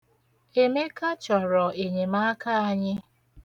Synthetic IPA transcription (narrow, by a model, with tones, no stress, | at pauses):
e˨me˦ka˦t͡ʃɔ˨ɾɔ˨e˨ɲe˨ma˦ka˦a˦ɲɪ˦